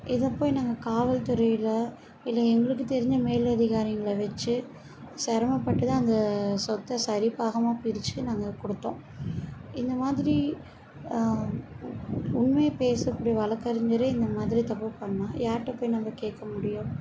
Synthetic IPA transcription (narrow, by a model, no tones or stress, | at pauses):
ʔɪðɐpːoːjinaːŋɡɐkaːʋɐlt̪ʊɾɐjɪlɐ | ɪlːɐɛŋɡɐɭɯkːɯt̪ɛɾɪɲd͡ʒɐmeːlɐðɪɣaːɾɪŋɡɐɭɐʋɛt͡ʃːɯ | sɛɾɐmɐpːɐʈːɯt̪ãːɐnd̪ɐsɔt̪ːɐsɐɾɪpːaːɣɐmaːpɪɾɪt͡ʃːɯnaːŋɡɐkɔɽɯt̪ːõ̰ː | ɪnd̪ɐmaːðɪɾi | ʊɳmeːpeːsɐkːuːɽijɐʋɐɭɐkːɐɾɪɲd͡ʒɐɾɯɪnd̪ɐmaːðɪɾit̪ɐpːɯpɐɳːãːjaːɾʈːɛpːoːjinɐmːɐkeːʈkːɐmʊɽɪjʊ̃